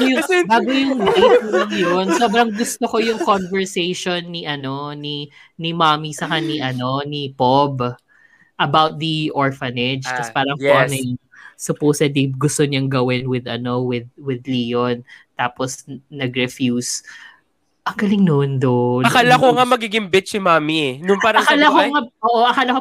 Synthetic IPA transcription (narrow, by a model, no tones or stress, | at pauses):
ojʊbaːɡojʊŋɐliulɐŋjonsoːbɾɐŋɡʊst̪okojʊŋkonvɛɹsejʃonːiʔɐno̞ni | nimamisɐkaniʔɐno̞nipob | ʔɐbawt̪̚d̪iʔoɹfɐnɛd͡ʒk̪ɐspaːɾɐŋoʔɐnɛj | sʊpoːsɛd̪iɡʊst̪oɲɐŋɡɐwɪnwɪd̪ɐno̞wɪd̪̚wɪd̪liːont̪aːposnɐɡɾɛfjuːs | ʔɐŋɡɐlɪŋnoʔnd̪oɐkalɐkoŋamɐɡiɡɪŋbɪt̪̚simaːminʊnpaːɾɐɐkaalɐkoŋaʔoːʔoʔɐkaːlɐko